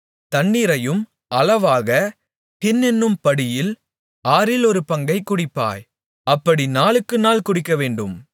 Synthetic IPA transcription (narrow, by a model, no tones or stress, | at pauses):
t̪ɐɳːɪɾɐjɯm | ʔɐlɐʋaːɣɐ | pɪnːɛnːɯmpɐɽɪjɪl | aːɾɪlɔɾɯpɐŋɡɐɪkːʊɽɪpːa̰ːj | ɐpːɐɽinaːlɯkːɯnaːlkʊɽɪkːɐʋeːɳɖɯm